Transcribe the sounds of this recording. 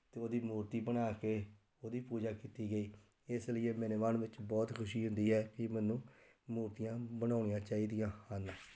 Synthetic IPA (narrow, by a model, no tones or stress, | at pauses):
t̪eːoːd̪iːmuːɾt̪iːbəñaːkeː | oːd̪iːpuːd͡ʒaːkiːt̪iːɡəiː | ɪsləijeːmɛːneːʋaːnʋɪt͡ʃbɔːt̪kʰʊʃiːɦʊnd̪iːɦɛːkɪmɛnũː | muːɾt̪ijãːbənaːʊɳɪjãːt͡ʃaːiːd̪ɪjãːaːnãː